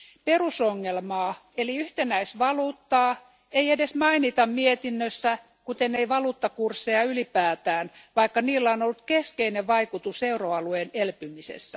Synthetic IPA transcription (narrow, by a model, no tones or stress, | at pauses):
perusoŋːelmɑːeliyht̪enæisʋɑluːt̪ːɑː | eiedesmɑinit̪ɑmmiet̪inːøsːæ | kut̪eneiʋɑluːt̪ːɑkursːeɑylipæːt̪æːnʋɑikːɑniːlːæonolːut̪keskeineʋʋɑikut̪useuroɑluenelpymisḛsːæ